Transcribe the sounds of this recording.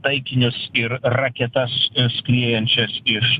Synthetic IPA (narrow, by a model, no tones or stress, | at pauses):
t̪ɐɪkʲɪnʲʊsɪɾrɐkʲɛt̪ɐssklʲiɛjɛnʲt͡ʃʲɛsɪʃ